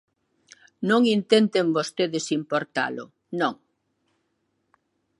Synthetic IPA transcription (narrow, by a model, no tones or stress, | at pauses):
nõŋint̪ent̪eŋbost̪eðɪsimpoɾt̪a̰lʊ̰ | nõŋ